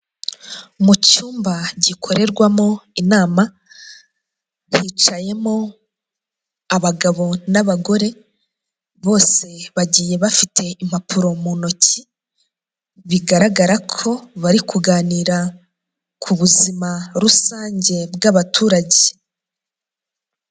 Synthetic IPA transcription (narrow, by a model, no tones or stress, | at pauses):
mucuːmbaɟikʰo̞ɾe̞ɾɡwamo̞inaːma | hit͡ʃaje̞mo | aβaɡaβo̞naβaɡo̞ɾe̞ | βo̞ːse̞βaɟiːje̞βafitʰe̞im̥apʰuɾo̞muno̞ci | βiɡaɾaɡaɾakʰo̞βaɾikʰuɡaːniɾa | kʰuβuzimaɾusaːɲɟe̞bɡaβatʰuːɾaɟe